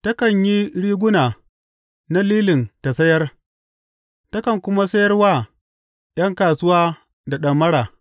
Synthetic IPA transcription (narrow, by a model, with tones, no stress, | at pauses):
tɐ˦kɐ˨ɲji˦ɽiː˦ɡʷʊ˦naː˨ | na˦liː˦lɪ˨nta˨sɐ˦jɐ˦r | tɐ˦kɐ˨ŋkʷʊ˦ma˦sɐ˦jɐ˦rwaː˦ | j̰ɐ˦ŋkaː˨sʊ˦waː˦ | da˨ɗɐ˨mːɐ˦ɽaː˨